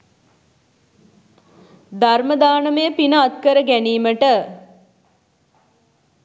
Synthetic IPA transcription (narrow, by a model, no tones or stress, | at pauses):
d̪aɾməd̪aːnəməjəpinəat̪̚kəɾəɡæniːməʈə